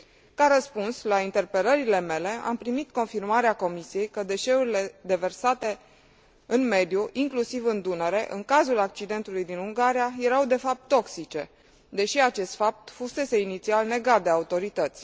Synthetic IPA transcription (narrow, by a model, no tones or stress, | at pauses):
kaɾəspunslaint̪e̞rpe̞ləɾile̞me̞le̞a̰mpɾimit̪ko̞nfirmaɾeako̞misije̞jkəd̪e̞ʃe̞uɾile̞d̪e̞ve̞rsat̪e̞ | ɨnme̞d̪juʔiŋklusivɨnd̪unəɾe̞ʔɨŋkazulak̚t͡ʃid̪e̞nt̪ulujd̪inuŋɡaɾiaje̞ɾawd̪e̞fap̚t̪ːo̞ksit͡ʃe̞ | d̪e̞ʃiat͡ʃe̞st̪fap̚t̪fuse̞se̞init̪sialne̞ɡat̪̚d̪e̞aut̪o̞ɾit̪ət̪sʲ